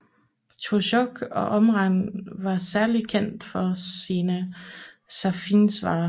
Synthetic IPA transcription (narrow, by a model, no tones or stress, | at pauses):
t͡sʰoɕɔɡ̥ɒ̽ʔɒ̽mʁɑŋʋɑ̈sæɐli̥kʰen̰d̥fɒ̽siːnə | sæfiːnsʋɑ̰̈ː